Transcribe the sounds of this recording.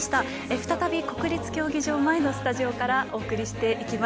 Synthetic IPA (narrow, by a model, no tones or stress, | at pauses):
ɕi̥t̪a | eɸɯ̟t̪at̪abʲiko̞kɯ̟ɾʲit͡sɨ̥kʲo̞ːɡʲiʑo̞ːmaeno̞sɨ̥t̪aʑio̞kaɾaʔo̞ːkɯ̟ɾʲiɕi̥t̪e̞ʔikʲima